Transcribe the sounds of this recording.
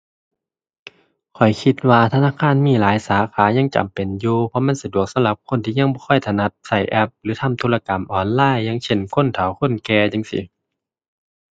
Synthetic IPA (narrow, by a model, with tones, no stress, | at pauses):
kʰɔ˨˩jkʰi˧˦t̪̚waː˧t̪ʰa˧naː˧˨kʰaː˧˥˨nmiː˧˥˨laː˨˦jsaː˨˩˦xʰaː˨˦ɲa˧˥˨ŋt͡ɕa̰˨mpe˨˩njuː˧pʰɔ˧˥˨ma˧˥˨nsa˧du˨˩ək̚sa˨˦mla˧˦p̚kʰo˧˥˨nt̪ʰiː˧ɲa˧˥˨ŋbɔː˧˩kʰɔ˧˩jt̪ʰa˧˨na˧˩t̪̚sa˧˩jʔɛ˧˥p̚lɯː˨˦t̪ʰa˧˥˨mt̪ʰu˧˨la˧ka˨˩mʔɔː˨˩nlaː˧˥˨jːa˧˥˨ŋt͡ɕʰe˧˩nkʰo˧˥˨nt̪ʰa˨˩˦wkʰo˧˥˨nkɛː˧t͡ɕa˧˨ŋsḭ˧˦